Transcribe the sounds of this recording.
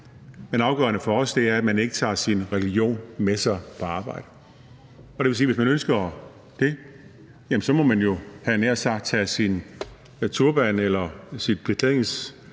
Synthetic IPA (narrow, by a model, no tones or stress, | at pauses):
menɑ̈ʊɡ̥ɶ̰ɐnəfɒ̽ɒsd̥e̝æɐæd̥mæne̝ɡ̥ət͡sʰɑ̰̈ːsinʁɛlio̝̰ːnmesɑ̈ɪpʰɒ̽ɑ̈ːb̥ɑ̈ɪ̰d̥ə | ɒɾeʋesiːʋe̝s̬mænønsɡ̥ɐ | d̥e̝ | jæmn̩sɒ̽mɒ̽mænjo̝hænæɐ̰sɑ̈ɡ̥̚t͡sʰæsin | t͡sʰuɐb̥ænelɐsid̥̚b̥ʁit͡sʰeŋs